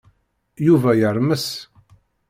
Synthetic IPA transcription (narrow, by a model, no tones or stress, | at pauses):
juvæjəɾˤməs